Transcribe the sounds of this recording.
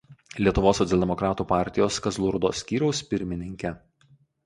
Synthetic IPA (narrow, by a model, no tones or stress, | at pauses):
lʲiɛt̪ʊʋoːsːɔt̪sʲɛlʲd̪ʲɛmɔkɾɑːt̪uːpɑˑɾʲt̪ʲɪjoːskɐzlˠʊɾd̪o̰ːsʲkʲiːɾʲɛʊspʲɪɾʲmʲɪnʲɪŋʲkʲɛ